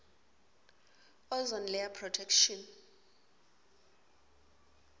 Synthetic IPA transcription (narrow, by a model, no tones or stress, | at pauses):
ɔzɔnlɛapʰrɔtʰɛkʃɔn